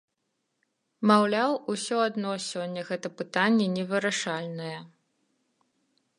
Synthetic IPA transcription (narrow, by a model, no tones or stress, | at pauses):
mawlʲawusʲɔad̪nɔsʲɔnʲːɐɣɛt̪ɐpɨt̪anʲːɛnʲɛvɨɾaʂalʲnɐjɛ